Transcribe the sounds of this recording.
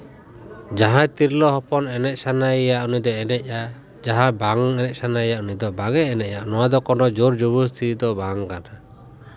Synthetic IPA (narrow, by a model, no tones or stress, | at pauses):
d͡ʒaɦãt̪iɾlɔɦɔpɔnɛnɛc̚sanajaʔunid̪ɔɛnɛc̚a | d͡ʒaɦãbaŋɛnɛc̚sanaɛjaʔunid̪ɔbaŋɛːnɛʔ̚jaʔnɔwad̪ɔkɔnɔd͡ʒuɾd͡ʒubust̪ʰid̪ɔbaŋkana